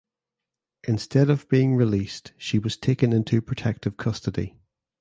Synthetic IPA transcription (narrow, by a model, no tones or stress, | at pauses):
ʔɪ̃nstɛdəvbiɪ̃ŋɹɪlˠistʃiwɒz̥tʰekə̃nɪ̃ntʰʉpʰɹ̥ətʰɛk̚tʰɪv̥kʰʌstədḭ